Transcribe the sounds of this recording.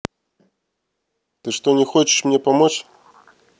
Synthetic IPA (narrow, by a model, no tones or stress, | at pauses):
t̪ɨʂt̪ɔnʲɪxɔt͡ɕɪ̥ʂmnʲɛpamɔt͡ɕ